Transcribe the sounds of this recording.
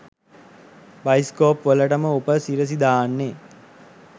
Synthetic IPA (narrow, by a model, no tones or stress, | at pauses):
bajskoːpʋələʈəməopəsiɾəs̬id̪aːnːe